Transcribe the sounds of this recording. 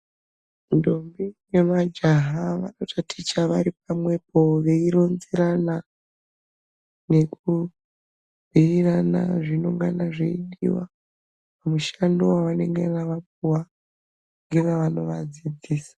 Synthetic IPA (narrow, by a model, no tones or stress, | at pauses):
ndombijemad͡ʒaɦaʋa̰notʰatʰit͡ʃaʋaɾip̚amwe̞p̚ʰo̞ʋe̞iɾo̞nziɾana | ne̞ku | b̥ʱiirana̰ʐino̞ŋɡanaʐeindḭwa̰ | pamuʃandowaʋane̞ŋɡenaʋap̚uwa | ŋɡenaʋano̞ʋad͡zid͡ziːsḁ